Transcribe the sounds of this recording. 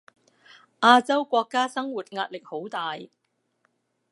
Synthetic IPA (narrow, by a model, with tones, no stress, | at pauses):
ʔaː˧t͡sɐ˥wkʷɔː˧kːaː˥sɐ˥ŋwuː˨˩t̚ŋaː˧t̚lɪ˨k̚ho˨˥wt̪aː˨j